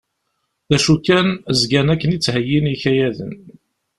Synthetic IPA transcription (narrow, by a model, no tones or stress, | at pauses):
θæʃukːænəzɡænækːənit͡sːhəjːiniçæjæðə̰n